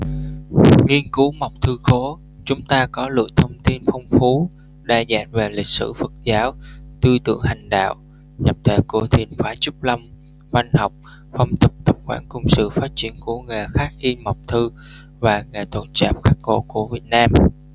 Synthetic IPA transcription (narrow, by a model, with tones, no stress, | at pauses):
ŋi˧ənkɨ˨˦ma˨˩wk͡p̚t̪ʰɨ˧xo˨˦ | t͡ɕʊ˨˦ŋ͡mt̪aː˧kɔ˨˦lɨ̰˧˨əjt̪ʰə˧wŋ͡mt̪i˧nfə˧wŋ͡mfu˨˦ | ɗaː˧˩za̰ː˧˩nve˨˩lï˨˩k̟̚sɨ̰˧˩fə˨˩t̚zaː˨˦wt̪ɨ˧t̪ɨ̰˧˨əŋha˨˩jŋ̟ɗa̰ː˧˨w | ɲə˨˩p̚t̪ʰe˧˨˩ko˧˩t̪ʰi˧˩ənfaː˨˦t͡ɕu˦˥p̚lə˧m | va˧jŋha˨˩wk͡p̚ | fə˧˩wŋ͡mt̪ə˨˩p̚t̪ə˨˩p̚xwaː˧˩nkʊ˧wŋ͡msɨ̰˧˨faː˦˥t̚t͡ɕi˨˦ənku˧˩əŋa˨˩xaː˦˥k̚ʔi˧nma˨˩wk͡p̚t̪ʰɨ˧ | vaː˨˩ŋeː˨˩t̪ʰo̰˧˨nt͡ɕa̰ː˧˨˩p̚xaː˦˥kːo̰˧˩ku˧˩əvi˨˩ət̚naː˧m